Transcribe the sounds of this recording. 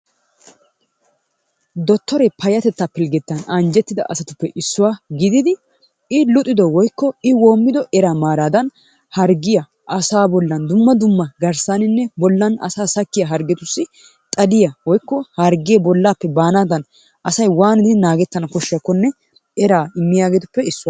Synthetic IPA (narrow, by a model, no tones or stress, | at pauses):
d̪ɔt̪ːɔɾɛpʰɐjɐt̪ɛt̪ːapɪlɡɛt̪ːɐnɐnd͡ʒɛt̪ːɪd̪ɐ̰ʔɐsɐt̪ʊpːɛʔɪsːʊwaːɡɪd̪ɪd̪ɪ | ɪlʊt̪ʼːɪd̪ɔwɔjkːɔɪwo̞ːmːɪd̪ɔʔɛɾaːmaːɾaːd̪ɐn | hɐɾɡɪjɐ | ʔɐsaːbɔlːɐnd̪ʊmːɐd̪ʊmːɐɡɐɾsaːnɪnːɛbɔlːɐnɐ̰saːsɐkːɪjɐɦɐɾɡɛt̪ʊsːɪ | t̪ʼɐlɪjɐwɔjkːɔhɐɾɡɪjɐbɔlːaːpːɛbaːnaːd̪ɐn | ʔɐsɐjwaːnɪd̪ɪnaːɡɛt̪ːɐnɐkɔʃːɪjaɐkːɔnːɛ | ɛɾaːɪmːɪjaːɡeːt̪ʊ̥pːɛɪsːʊwaː